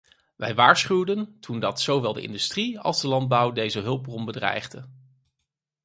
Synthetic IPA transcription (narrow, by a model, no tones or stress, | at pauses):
ʋɛjʋaːɹsχywdəntʰundɑtsowʋɛlˠdə̰ʔɪ̰ndystriɑ̰lˠzdəlɑnd̚bʌwdejzəɦɵlˠb̚rɔmbədrɛ̰jχdə